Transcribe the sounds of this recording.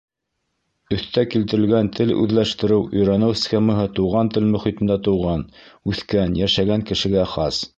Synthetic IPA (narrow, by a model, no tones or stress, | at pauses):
ɵ̆θt̪ækilt̪ɘ̆ɾɘ̆lɡænt̪ʰɘlʉ̰ðlæʃt̪ɘ̆ɾɘwʔɵ̆jɾænɘwssʲxʲemɤɦɤt̪uwʁɑnt̪ɘlmɵ̆χit̪ɘ̆nd̪æt̪ɤ̆wʁɑnʉθkænjæʃæɡæŋkɘ̆ʃɘ̆ɡæχɑs